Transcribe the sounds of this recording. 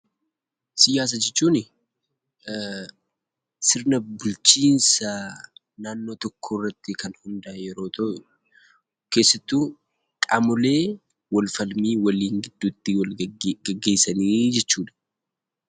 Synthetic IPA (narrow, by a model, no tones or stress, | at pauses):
sɪjaːs̬ɐd͡ʒɛt͡ʃːuːnɪ | sɪɾnɐbʊlt͡ʃiːnsɐ | naːnːo̞ːt̪ɔkʰːoːrːɐt̪ːɪkɐnhʊnd̪ɐʔjɛɾo̞ːt̪ɐʔ | ke̞ːsːɐt̪ːuː | kʼɐmʊle̞ː | wɐlfɐlmiːwɐliːŋɡɪd̪ːuːt̪ːɪwɐɡɐɡːe̞ːsɐniːd͡ʒɛt͡ʃːuːd̪ɐ̥